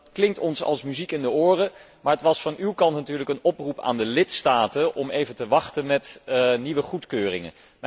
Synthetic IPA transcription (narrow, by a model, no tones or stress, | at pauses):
tklɪŋtɔnsɑ̰lˠsmyzikɪndəoːrə | maːɹɦətʋɑsfɑnywkɑntnatyːɹləkənɔprupa̰ːndəlɪtstaːtənʔɔmejvəntəʋɑχtənmɛtniʋəχutkøːrɪ̰ŋə̰n